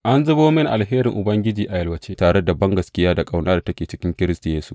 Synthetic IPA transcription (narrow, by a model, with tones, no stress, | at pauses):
ʔa˦nzʊ˦boː˦mɪ˦nʔa̰˨lɦeː˦ɾɪ˨ŋʔʊ˨bɐ˦ŋɡʲɪ˦d͡ʒiː˨ʔa˨jɐ˦lwɐ˨t͡ʃeː˦taː˨ɽe˦da˨bɐ˦ŋɡɐ˨skʲɪ˦jaː˦da˨kʼa˨wnaː˦da˨tɐ˦kʲeː˨t͡ʃɪ˦kʲɪ˦ŋkʲɪ˦ɾɪ˦stu˨jeː˦su̥˦